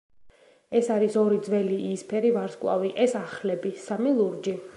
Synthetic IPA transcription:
ɛsaɾisɔɾid̪zwɛliʔːspʰɛɾivaɾskʼlˠa̰viʔɛsaχlɛbisamilˠuɾd͡ʒi

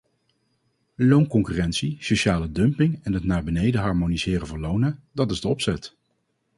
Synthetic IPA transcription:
lownkɔŋkyːrɛntsisoʃaːlədɵmpɪŋɛnɦətnaːɹbənejdəɦɑɹmonizɪːrəvʊːɹlownədɑtɪzdəɔpsɛt

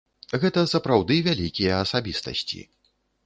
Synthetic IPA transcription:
ɣɛt̪ɐsɐpɾawd̪ɨvʲalʲikʲijɐːsabʲist̪ɐ̰sʲt͡sʲḭ

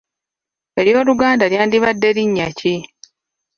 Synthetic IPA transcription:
e̞ɾjo̞ːluɡaːndaljaːndiβadːe̞ɾiɲːaci

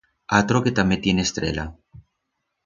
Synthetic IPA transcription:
at̪ɾoket̪amet̪jenest̪ɾḛla̰

